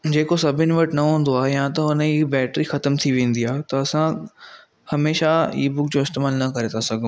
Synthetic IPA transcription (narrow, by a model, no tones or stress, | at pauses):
d͡ʑeːkosɐbʱɪnɪ̆ʋɐʈnɐɦũːn̆d̪oaːɦejãt̪ɐʊnəbɛːʈɾixɐt̪əmt̪ʰiʋẽːn̆d̪iaːɦet̪ɐɐsã | hɐmeːʃaḭːbʊkd͡ʑoːɪst̪eːmaːlnɐkɐɾet̪ʰasɐɡ̃ʱ